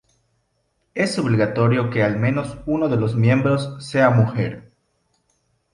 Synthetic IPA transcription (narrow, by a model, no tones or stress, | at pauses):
e̞so̞βliɣat̪o̞ɾjo̞ke̞almẽ̞no̞sunoðe̞lo̞zmjẽ̞mbɾo̞sːe̞amuxe̞ɾ